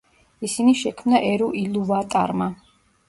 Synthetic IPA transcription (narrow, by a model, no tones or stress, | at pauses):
isiniʃɛkʰmnaʔɛɾuʔiluvat̪ʼa̰ɾma